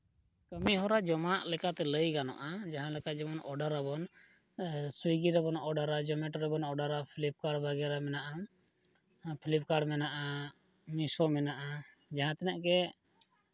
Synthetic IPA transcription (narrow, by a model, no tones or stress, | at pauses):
kəmiɦɔɾad͡ʒɔmaʔlɛkat̪ɛləjɡanɔ̰ʔad͡ʒaɦãlɛkad͡ʒɛmɔnʔɔɖaɾabɔn | swiɡiɾɛbɔnɔɖaɾad͡ʒɔmɛʈɾɛbɔnɔɖaɾapʰilip̚kaɖbaɡɛɾamɛnaʔa | pʰilip̚kaɖmɛnaʔa | misɔmɛnaʔa | d͡ʒaɦãt̪ɛnɛʔkɛ